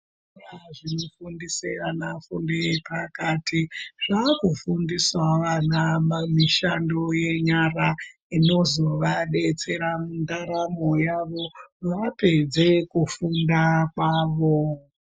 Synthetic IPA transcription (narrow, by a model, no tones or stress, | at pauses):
raʐino̞fundiseranafundepakatʰiʐ̥akufundiswaʋanamamiʃando̞je̞ɲara | ino̞zo̞ʋaɗe̞t͡se̞ɾamundaɾamo̞jaʋo̞ʋape̞d͡ze̞kufundakwaːʋo̞